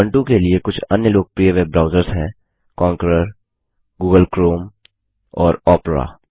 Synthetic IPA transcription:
ə̃ɳʈũkeliekʊt͡ʃʰɐ̰njəloːɡ̚pɾieʋeːbbɾaːʊzəɾzɦɛ̃ː | kɔ̃ːŋkəɾəɾ | ɡuːɡəlkɾoːm | ɔːɾɔːpɾa̰ː

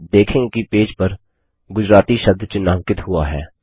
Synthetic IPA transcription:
d̪eːkʰɪ̃ŋɡkipeːd͡ʒpɐɾ | ɡʊd͡ʒɾaːt̪iʃɐb̚d̪ʱt͡ʃɪnãːŋkɪt̪ɦʊaɦɛ̰ː

